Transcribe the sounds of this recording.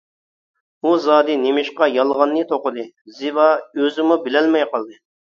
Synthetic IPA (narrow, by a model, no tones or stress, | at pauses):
uzɑːd̪ɨnemɪʃqɑjɑlˠʁɑnːɨt̪ʰoqəd̪ɨ | zɪvɑøzɪmubɪlɛlmɛjqɑlˠd̪ɨ